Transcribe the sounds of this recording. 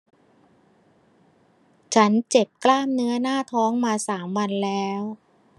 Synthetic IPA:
t͡ɕʰa˦˥nt͡ɕe˨˩p̚klaː˥˩mnɯ˦˥ɐnaː˥˩t̪ʰɔː˦˥ŋmaː˧saː˩˦mwa˧nlɛː˦˥w

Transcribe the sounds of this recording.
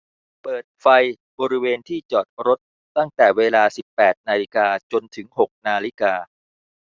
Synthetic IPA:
pɤː˨˩t̪̚fa˧j | bɔː˧ɾi˦˥weː˧nt̪ʰiː˥˩t͡ɕɔː˨˩t̪̚ɾo˦˥t̪̚ːa˥˩ŋt̪ɛː˨˩weː˧laː˧si˨˩pːɛː˨˩t̪̚naː˧li˦˥kaː˧t͡ɕo˧nt̪ʰɯ˩˦ŋɦo˨˩k̚naː˧li˦˥kaː˧

